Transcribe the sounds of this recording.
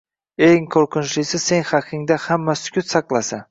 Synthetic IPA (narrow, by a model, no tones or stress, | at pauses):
e̞ŋqʰoɾqʊnt͡ʃlɪsɪz̥se̞ŋχɑqʰɪŋd̪ahamːasʊ̥kʲʰʊt̪sɑqlˠasan